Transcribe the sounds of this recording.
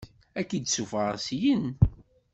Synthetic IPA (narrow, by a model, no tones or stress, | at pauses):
ækːid̪sufəʁsjən